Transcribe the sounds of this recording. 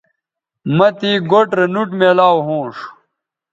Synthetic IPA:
mɐt̪iːɡoʈɾɐnuʈmeːlaːwɦõːʂ

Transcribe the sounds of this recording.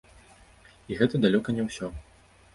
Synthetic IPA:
iɣɛt̪ɐd̪alʲɔkɐnʲɛwsʲɔ

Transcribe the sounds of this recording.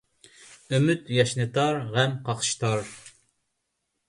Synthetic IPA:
ymyt̪jɑʃnɨt̪ʰɑɾʁɛmqʰɑqʃt̪ʰɑɾ

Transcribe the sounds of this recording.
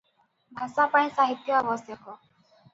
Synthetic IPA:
bʱasapəɽ̃ẽsaɦit̪jɔaʋɔsjɔkɔ

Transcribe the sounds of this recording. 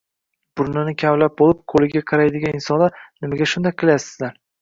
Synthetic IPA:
b̥ʊɾnɪnɪkʲʰavlap̚bolˠɪp̚qʰolɪɡʲaqʰɑɾajd̪ɪɡʲanɪnsɒnlaɾnɪmaɡʲaʃʊnd̪ajqʰɨlˠjasɪ̥zlaɾ

